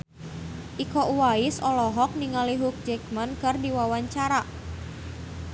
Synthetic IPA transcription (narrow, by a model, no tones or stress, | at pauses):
ʔikɔʔuwaisɔlɔɦɔk̚niŋaliɦuk̚d͡ʒɛkmankɨrdiwawaɲt͡ʃaɾa